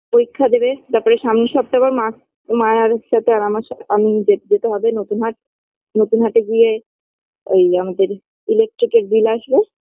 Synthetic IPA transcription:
poɾikʰːad̪ebet̪aɾpɔɾeʃamniʃɔb̚t̪abaɾma | majaɾʃat̪ʰeaamaɾʃaamid͡ʑed͡ʑet̪eɦɔbenot̪unɦaʈ̚ | not̪unɦaʈeɡije | ejamad̪eɾ | ilek̚ʈɾikeɾb̪ilaʃbe

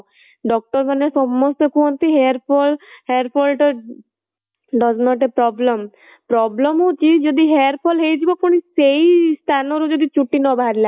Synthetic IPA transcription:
ɖɔk̚ʈɔɾpanesɔmːɔst̪ɔkuɦɔnt̪iɦeaɾpʰɔlheɾpʰɔlʈɔ | ɖɔznɔʈepɾɔblem | pɾɔblɔmut͡ʃid͡ʒɔd̪iɦeaɾpʰɔlɦejtʰibɔkɔɽ̃isejst̪ʰanɔɾud͡ʒɔd̪it͡ʃuʈːinɔbʱaɾila

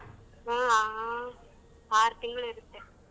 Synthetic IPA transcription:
aːaː | paːɾt̪ɪŋɡɐɭɪɾɯkːɯ

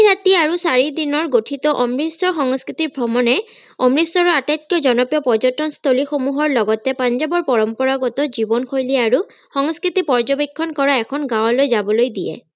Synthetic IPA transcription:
ɦat̪iaɹusaɹid̪inɔɹɡotʰit̪ɔʔɔmɹisɔxɔŋskɹit̪iɹbʱɹɔmɔnɛ | ɔmɹisɔɹɔatat̪̚jɔd͡ʒɔnɔpijɔpɔd͡ʒɔtɔnst̪ʰolixomuɦɔɹlɔɡɔt̪ɛpand͡ʒabɔɹpɔɹɔmpɔɹaɡɔt̪ɔd͡ʒibɔnkʰojliaɹu | xɔŋskɹit̪ipɔɹd͡ʒobikʰːɔnkɔɹaɛkʰɔnɡãwlojzabɔlojd̪iɛ̰

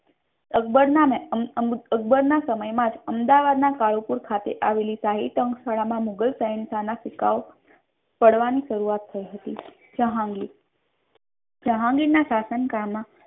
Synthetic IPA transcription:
əbəɾname | əɡ̚bəɾnasəməjmãd͡ʒəmd̪aʋad̪nakaɭupuɾkʰat̪ḛʔaʋelisaɦit̪ə̃ŋksaɭamãmuɡəlsajnsanafɪka̰ʋo | pəɽʋaniʃəɾuat̪ʰːəiɦət̪i | əɦaɡi | d͡ʒəɦãŋɡinasasənkamːã

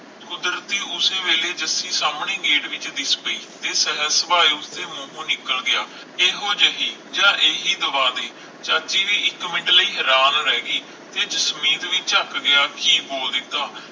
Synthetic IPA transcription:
kʊd̪ɾət̪iːʊseːʋeːleːd͡ʒəsiːsaːmɳeːɡeːʈʋɪt͡ʃd̪ɪspəiːt̪eːsɛɦəsəbaːiːʊst̪eːmõːɦũːnɪkːəlɡɪjaː | eːɦoːd͡ʒəɦiːd͡ʒãːʔeːɦiːd̪əʋaːd̪eː | t͡ʃaːt͡ʃiːʋiːɪkːmɪɳɖləiːɦɛːɾaːnɾɛːɡiː | t̪eːd͡ʒəsmiːt̪ʋiːt͡ʃəkɡɪaːkiːboːld̪ɪkd̪aː

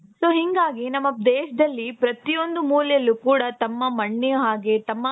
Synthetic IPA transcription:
soːɦiŋɡaːɡinɐmːɐd̪eːʃɐd̪ɐlːipɾɐt̪ijo̞nd̪umuːlɛjɐlːukuːɽɐt̪ɐmːɐmɐɳːejuɦaːɡet̪ɐmːɐ

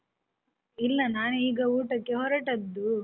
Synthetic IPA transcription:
ilːɐnaːnuiːɡɐuːʈɐkːe̞ɦɔɾɐʈɐd̪ːu

